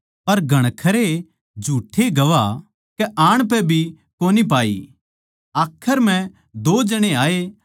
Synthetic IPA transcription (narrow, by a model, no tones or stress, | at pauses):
pɐɾɡʱɐɽ̃kʰɐɾe | d͡ʒʱuːʈʰeɡɐʋa | kɛʔaːɽ̃p̬ɛbʱi | koːnipaːḭ | aːkʰːəɾm̤ɛ̃ | d̪oːd͡ʒɐɽ̃eaːe